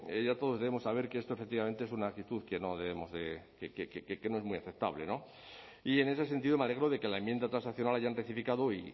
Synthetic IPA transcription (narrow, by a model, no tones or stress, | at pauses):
eʝat̪o̞ðoðeemo̞sːaβ̞eɾke̞est̪ofe̞k̚t̪iβament̪eesunaːk̚t̪it̪uðke̞no̞ðe̞βe̞mo̞zðekekekekekeno̞e̞zmuiaθep̚t̪aβle̞̰no̞ | ie̞ne̞se̞sent̪iðo̞meale̞ɣɾoðe̞ke̞laemjend̪at̪ɾansakθjo̞nalaʝanreθifikaðoi